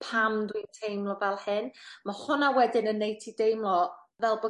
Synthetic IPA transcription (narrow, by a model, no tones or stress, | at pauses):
pʰamdwintʰejmlˠɔvɛlˠhɪnmahʊnawɛdɪnənːejtʰidejmlˠɔ | vɛlˠbɔ